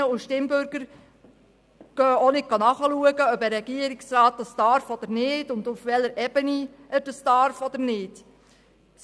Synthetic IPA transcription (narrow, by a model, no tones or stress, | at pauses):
əʊʃtɪmbʏɾɡəɾ | ɡ̥œːonɪt̚ɡ̥ɑnɑχəluəɡəœbəɾɛɡ̥iəɾɪksɾɑːt̚dɑsd̥ɑɾfɔd̥̪əɾnɪːdʊndʊfʋɛləɾʔɛbəni | əɾd̥ɑsd̥ɑɾfɔd̪əɾnɪːt